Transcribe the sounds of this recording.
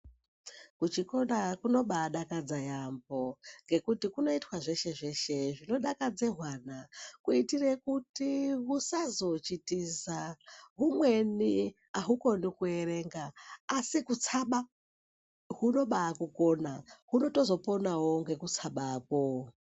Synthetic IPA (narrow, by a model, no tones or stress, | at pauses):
kut͡ʃikonakuno̞ɓaːɗakad͡zajambo̞ŋɡe̞kutikuno̞itwaʐe̞ʃe̞ʐe̞ʃe̞ʐino̞ɗakad͡ze̞ɦwanakuitire̞kutiwusazo̞t͡ʃitizaɦumweni | aɦuko̞nikue̞ɾe̞ŋɡaːsikut͡sʰaɓa | ɦuno̞ɓaːkukonaɦuno̞to̞zo̞po̞nawo̞ŋɡe̞kut͡sʰaɓaːko